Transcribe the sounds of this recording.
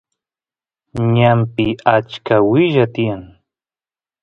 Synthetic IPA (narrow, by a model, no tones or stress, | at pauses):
ɲampɪat͡ʃkawɪʒat̪ɪjaŋ